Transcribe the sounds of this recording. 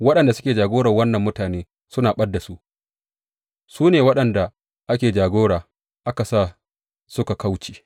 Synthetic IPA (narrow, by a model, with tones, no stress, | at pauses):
wɐ˦ɗɐ˨nda˨sʊ˦kʲeː˨d͡ʒaː˨ɡoː˦ɽɐ˨rwɐ˦nːɐ˨mːʊ˦taː˨neː˦ | sʊ˦naː˨ɓɐ˦dːa˨su˦ʔ | suː˦neː˨wɐ˦ɗɐ˨nda˨ | ʔa˦kʲeː˨d͡ʒaː˨ɡʷoː˦ɽaː˨ | ʔa˦ka˨saː˦˨ | sʊ˦ka˨ka˦wt͡ʃi̥ː˨